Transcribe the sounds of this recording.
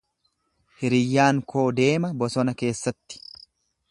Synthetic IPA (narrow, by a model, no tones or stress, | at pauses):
hɪɾɪjːaːŋkʰo̞ːd̪e̞ːmɐbɔsɔnɐke̞ːsːɐt̪ːɪ̥